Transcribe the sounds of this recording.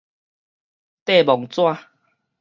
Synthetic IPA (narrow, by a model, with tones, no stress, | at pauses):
t̪e˥˨bɔ˨ŋt͡swa˥˧